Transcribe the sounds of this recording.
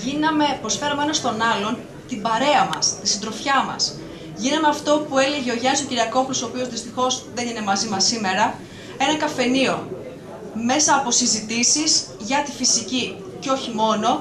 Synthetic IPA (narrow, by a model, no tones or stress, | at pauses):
ʝinɐme̞pɾo̞sfe̞ɾɐmeenɐst̪o̞nɐlo̞n | t̪ibɐɾe̞ɐmɐ̰st̪isind̪ɾo̞fçɐmɐ̰s | ʝinɐmeɐft̪o̞pue̞le̞ʝeo̞ʝɐnist̪ociɾiɐko̞ŋt̪usopio̞zðist̪ixo̞zðeine̞mɐzimɐsime̞ɾɐ | e̞nɐkɐfe̞nio̞ | me̞sɐːpo̞sizit̪isiz | ʝɐt̪ifisici | ceo̞çimo̞no̞